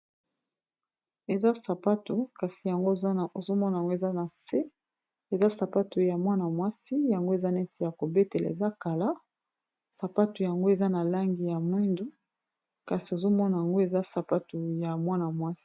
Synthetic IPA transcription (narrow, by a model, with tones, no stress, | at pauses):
e˨za˦sa˨pa˦tu˨ka˨si˨ja˨ŋɡo˦˨o˨zo˦mɔ˦na˨a˨ŋɡo˦e˨za˦na˨se˦ | e˨za˦sa˨pa˦tu˨ja˨mwa˦na˨mwa˦si˦ja˨ŋɡo˦e˨za˦nɛ˦ti˨ja˨ko˨be˦te˨la̰˨ḛ˨za˦ka˨la˦ | sa˨pa˦tu˨ja˨ŋɡo˦e˨za˦na˨la˦ŋɡi˨ja˨mwi˦ndu˦ | ka˨si˨o˨zo˦mɔ˦na˨ja˨ŋɡo˦e˨za˦sa˨pa˦tu˨ja˨mwa˦na˨mwa˦si̥˦